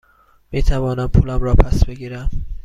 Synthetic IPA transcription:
miːt̪ʰævɒːnæmpʰuːlæmrɒːpʰæsbe̞ɡiːɾæm

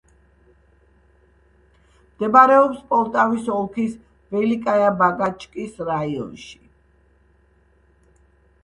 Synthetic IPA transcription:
md̪̥ɛbaɾɛɔpspʼɔlˠt̪ʼavisɔlˠkʰis | vɛlikʼajabaɡat͡ʃʼkʼisɾaiɔ̰nʃi̥

